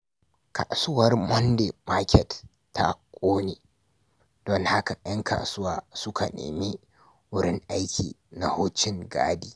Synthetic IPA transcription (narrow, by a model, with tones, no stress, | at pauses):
kʰa̰˨sʊ˦wɐ˦rmɔ˦nde˨ma˦kʲɛ˨tː | a̰˦kʷʼoː˦neː˨ | d̥ɔ˨ŋha˦ka˨j̰ɐ˦ŋkʰa̰ː˨sʊ˦waː˨sʊ˦kʰa˨nḛː˨mi˦ | wʊ˦ɽɪ˦ŋʔa˦jkʲiː˨ | na˨hʊː˦t͡ʃɪ˦ŋɡa̰ː˦diː˦˨